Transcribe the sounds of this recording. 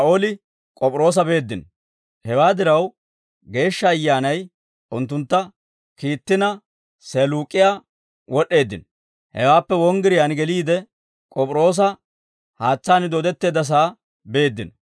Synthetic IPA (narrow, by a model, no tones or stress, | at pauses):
ɐʔoːlɪ | kʼɔpʼɾo̞ːs̬ɐbe̞ːd̪ːɪn | hɛwaːd̪ɪɾɐw | ɡe̞ːʃːɐːjːaːnɐj | ʔʊnt̪ːʊnt̪ːɐ | kiːt̪ːɪnɐ | seluːkʼːɪjaː | wɔɗːe̞ːd̪ːɪ̰n | hɛ̰waːpːɛwɔŋɡɪɾɪjaːnɡɛliːd̪ɛ | kʼɔpʼɾo̞ːs̬ɐ | haːt͡sːaːnɪd̪oːd̪ɛt̪ːe̞ːd̪ːɐs̬aː | be̞ːd̪ːɪn